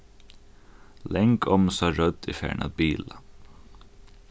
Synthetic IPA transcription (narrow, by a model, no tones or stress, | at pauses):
lɛŋkʰɔmsɑɹœd̪iːfjæ̰ːɳʔɑ̰d̪̚biːlə